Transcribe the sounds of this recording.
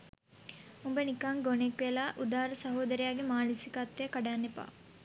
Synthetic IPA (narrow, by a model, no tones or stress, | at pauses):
umbɐnikaŋɡonekʋejɐlaːʔud̪aːɾɐsɐɦoːd̪ɐɾijaːɡemaːnusikaːt̪ːejkɐɖaːnːepa̰ː